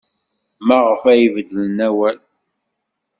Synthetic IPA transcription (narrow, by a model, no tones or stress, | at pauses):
mæʁəfæjvəd̪ːələnæwæl